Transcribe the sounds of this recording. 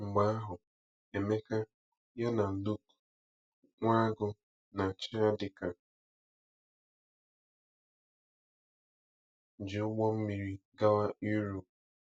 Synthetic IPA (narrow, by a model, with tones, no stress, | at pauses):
ŋ͡m̩˨ɡ͡ba˦ɦʊ˨ | e˨me˦ka˦ | ja˦na˨lu˦k | ŋʷa˦ɡʊ˦ | na˨t͡ʃɪ˦a˦dɪ˨ka˨ | d͡ʒɪ˨ʊ˦ɡ͡bɔ˦m̩˦mi˨ɾi˦ɡa˦wa˦ʔi˦ɾo˨p